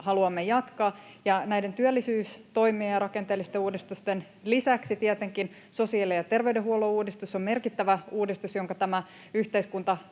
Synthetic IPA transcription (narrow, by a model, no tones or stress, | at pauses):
hɑluɑmːejɑt̪kɑː | jɑnæjdent̪yælːisyːst̪o̞imiejɑrɑkent̪eːlːˑist̪euːdist̪ust̪en | lisæksit̪iɛt̪eŋkin | so̞siɑlejɑt̪e̞rʋeydeɦuolouːdist̪usːomme̞rkit̪ːæʋæuːdist̪usjoŋkɑt̪æmæ | yht̪eiskunt̪ɑ